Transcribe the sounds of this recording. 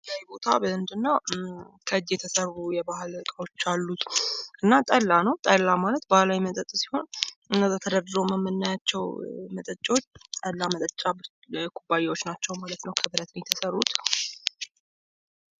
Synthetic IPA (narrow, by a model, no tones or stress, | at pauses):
jajbo̞t̪ʰa̰bəɨnd̪ɨnːəwkʰəɨd͡ʒet̪ʰəsəɾβujɛbahɨlkʼəot͡ʃːalːut̪ʔɨnːat̪ʼəlːanəwt̪ʼəlːamalət̪bahlawimət̪ʼət̪ʼsi̥ho̞nʔɨnːəzat̪ʰəd̪əɾd̪ɾowməmːənːajat͡ʃːɛwmət̪ʼət͡ʃʼːwot͡ʃːt̪ʼəlːamət̪ʼət͡ʃʼːab | kʰubːajewo̞t͡ʃːnat͡ʃːɛwmalət̪nəwkʰəbɨɾət̪njt̪ʰəsərːut̪